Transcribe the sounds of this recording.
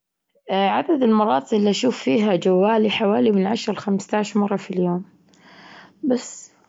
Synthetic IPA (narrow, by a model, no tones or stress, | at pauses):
ʕad̪ad̪ɪlmɑɾˤɑːt̪ˤɨʔɪlːiʔaʃuːfːiːɦad͡ʒawːaːliħawaːlimɪnʕaʃɾˤɑlxamst̪aːʕɪʃmɑrˤːɑfiljoːm | basː